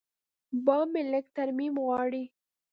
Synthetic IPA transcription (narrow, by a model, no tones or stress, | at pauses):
bɑːmelək̚t̪aɾmimɣwɑːɽi